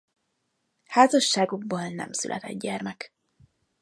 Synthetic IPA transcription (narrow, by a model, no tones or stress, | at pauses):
haːzɒʃːaːɡuɡboːlnɛ̰msy̰lʔɛt̪ɛ̰d̪ɟɛrmɛk